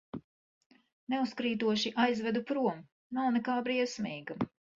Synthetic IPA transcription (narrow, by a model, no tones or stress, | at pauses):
neuskɾiːt̪uɔʃiʔajzvɛd̪upɾuɔm | nawnɛkaːbɾiɛsmiːɡa